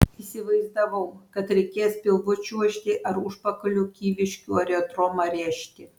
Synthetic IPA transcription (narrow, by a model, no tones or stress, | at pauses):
isʲɪʋɐɪzd̪ɐʋɐʊkɐt̪ɾʲɛɪkʲeːspʲɪlˠʋʊt͡ʃʲuɔʃʲt̪ʲɪʔɐɾʊʃpɐkɐlʲuːkʲiːʋʲɪʃʲkʲuːɐɾʲɛod̪ɾoːmɐɾʲæːʃʲt̪ʲɪ